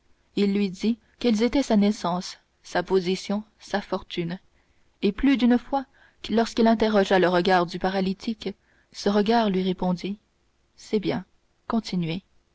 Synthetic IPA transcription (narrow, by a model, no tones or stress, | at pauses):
ilːɥid̪i | kɛlzet̪ɛsanɛsɑ̃ːsː | apozisjɔ̃ | safɔʁt̪yn | eplyd̪ynfwa | lɔʁskilɛ̃t̪eʁɔʒaləʁəɡaːʁd̪ypaʁalit̪ʰik | səʁəɡaːʁlɥiʁepɔ̃d̪i | sɛbjɛ̃ | kɔ̃t̪ʰinɥe